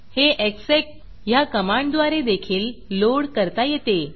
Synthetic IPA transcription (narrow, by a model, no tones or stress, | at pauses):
heʔeksek | jakəmaɳɖd̪ʋaɾed̪ekʰiːlːoɽkəɾt̪ajet̪e